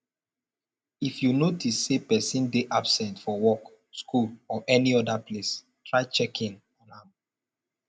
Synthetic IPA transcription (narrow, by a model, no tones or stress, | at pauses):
ifjunotisːepɛsĩndeʔabsɛ̃ntfɔwɔk | skʰulɔʔɛniɔdaples | tʰɹaɪt͡ʃɛkʰĩn | ɔ̃nhãm